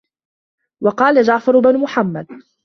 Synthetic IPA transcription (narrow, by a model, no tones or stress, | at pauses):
wɑqɑːlad͡ʒaʕfɑɾʊbanmʊħamːad̪̚